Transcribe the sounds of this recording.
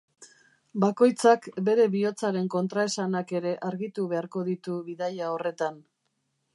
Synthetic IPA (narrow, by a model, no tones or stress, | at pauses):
bako̞jt͡sakbe̞ɾe̞βio̞t͡saɾe̞ŋko̞nt̪ɾae̞sanake̞ɾe̞ʔaɾɣit̪uβe̞aɾko̞ðit̪uβiðajao̞re̞t̪an